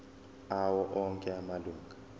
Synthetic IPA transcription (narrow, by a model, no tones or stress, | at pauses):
awɔʔɔŋkʼɛamaluːŋɡʱa